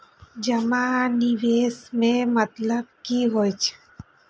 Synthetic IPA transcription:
d͡ʒɐmaːnɪʋeːsmẽmət̪ləb̚kiɦoːjt͡ʃʰ

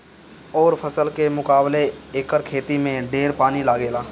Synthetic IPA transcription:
ɔːɾpʰəsəlkemʊkaːbleeːkəɾkʰeːt̪imẽɖeːɾpaːnilaːɡeːlaː

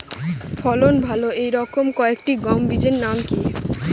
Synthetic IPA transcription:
fʰɔlonbʱaloejɾɔkomkɔekʈiɡɔmbid͡ʑeɾnamkie

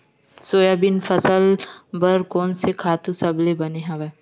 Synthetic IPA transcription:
soːjabɪnfɐsəlbɐɾkɔːnsekʰaːt̪ũsɐblebɐneɦɐ̃ʋɛː

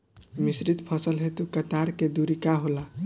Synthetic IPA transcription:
misɾit̪pʰəsəlɦet̪ukət̪aɾked̪uɾikaɦola

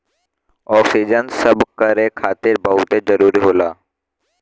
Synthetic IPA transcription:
ɔːksiːd͡ʒənsəbkəɾeːkʰaːt̪ɪɾbəːut̪eːzəɾuːɾiːɦoːlaː

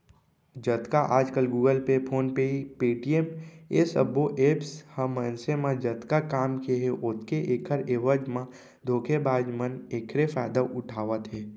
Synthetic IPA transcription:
d͡ʒət̪kaʔaːd͡ʒkəlɡuːɡəlpepʰoːnpeipiːʈiemesəboʔeːpshəmːənsemãd͡ʒət̪kakaːmkeɦeʔʊt̪keʔeːkʰəɾeːʋəd͡ʒmã | d̪ʱoːkʰebaːd͡ʒməneːkʰɾefaːɪd̪aʔʊʈʰaːʋət̪ɦɛː

